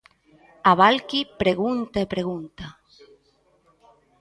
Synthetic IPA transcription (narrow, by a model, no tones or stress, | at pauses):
aβalkipɾeɣunt̪aepɾeɣunt̪a